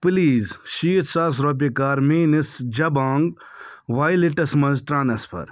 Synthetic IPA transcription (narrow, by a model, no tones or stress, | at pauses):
pliːzʃiːt̪saːs̬ɾoːp̬ikaːɾmeːnisd͡ʒɐbaːŋɡ | ʋaːjliʈɐsmɐ̃nzʈɾãːnɐspʰɐ̰ɾ